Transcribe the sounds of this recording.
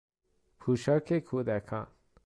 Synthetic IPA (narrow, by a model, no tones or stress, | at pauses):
pʰuʃəɾkʰekʰud̪ɛːkʰã̰ːn